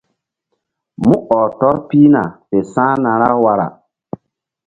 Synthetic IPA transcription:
mũ˦ʔɔː˨tɔ˦ɾpiː˦na̰˨te˨sãː˦nã˨ɾa˦wa˨ɾa̰˨

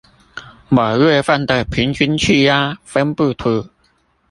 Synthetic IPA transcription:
ma˨˩ɥwe˥˧fa˥˨nt̪ə˨˩pʰi˨˦nt͡ɕʰi˧˥nt͡ɕʰy˥˧ja˦fə˦npu˥˧˩t̪ʰu˨˧˩

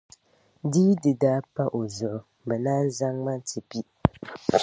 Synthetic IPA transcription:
diː˦dɨ˨daː˦pa˦ʔo˨zʊ˨ʔʊ˨ | bɛ˨naː˦n˦za˦ŋma˦tʰi˨pi˦

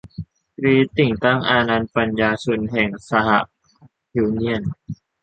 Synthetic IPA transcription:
ɾiː˧t̪i˨˩ŋt̪a˥˩ŋʔaː˧naː˧npa˧njaː˧su˧nɦɛ˨˩ŋsa˧ha̰˨˧˩ʔ | hiː˧ni˧˥ən

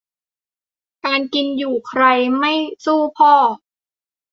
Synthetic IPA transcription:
kaː˧nki˧njuː˨˩kʰɾa˧jma˥˩jsuː˥˩pʰɔː˥˩

